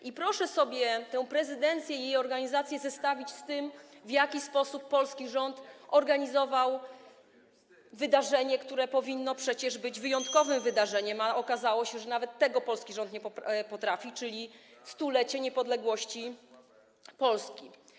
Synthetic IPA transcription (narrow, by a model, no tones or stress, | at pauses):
ʔipɾɔʂɛsɔbʲjɛt̪ɛw̃pɾɛzɘd̪ɛnt̪sʲjɛijejɔɾɡaɲizat̪sʲjɛzɛst̪avʲit͡ɕst̪ɘmvjakʲispɔsupːɔlskʲiʐɔnt̪ɔɾɡaɲizɔvaw | vɘd̪aʐɛɲɛkt̪uɾɛpɔvʲinːɔpʂɛt͡ɕɛʐbɘd͡ʑvɘjɔnt̪̚kɔvɘmvɘd̪aʐɛɲɛmaɔkazawɔɕɛʐɛnavɛt̪ːɛɡɔpɔlskʲiʐɔ̃nt̪ɲɛpɔpɔt̪ɾafʲit͡ʂɘlʲist̪ulɛt͡ɕɛɲɛpɔd̪lɛɡwɔɕt͡ɕi | pɔlskʲi